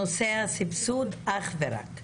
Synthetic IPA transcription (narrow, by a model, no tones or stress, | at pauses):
osɛasɪpsud̪aχvɛɾa̰k